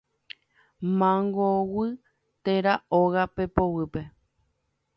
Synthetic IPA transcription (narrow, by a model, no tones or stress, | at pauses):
mãŋɡowɨ | t̪eɾaoɣapepowɨpe̞